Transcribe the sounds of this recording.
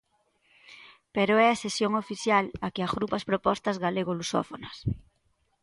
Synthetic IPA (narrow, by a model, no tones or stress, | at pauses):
peɾoɛasesjoŋofiθjalakeazɣɾupaspɾopɔst̪azɣaleɣoluso̰fonɐs